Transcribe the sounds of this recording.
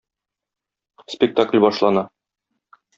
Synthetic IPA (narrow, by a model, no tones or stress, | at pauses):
spʲɪk̚t̪aklʲbɒʃlˠɑnɑ